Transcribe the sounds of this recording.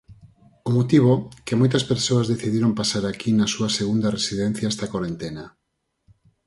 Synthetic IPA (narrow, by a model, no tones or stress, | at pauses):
omot̪iβ̞okemojt̪ɐspeɾsoazðeθiðiɾompasaɾakinasuɐseɣund̪aresiðen̟θjaest̪akwoɾent̪ena